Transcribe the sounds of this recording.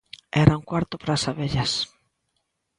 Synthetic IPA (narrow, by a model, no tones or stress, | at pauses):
ɛɾauŋkwaɾt̪ʊpɾasaβeʎas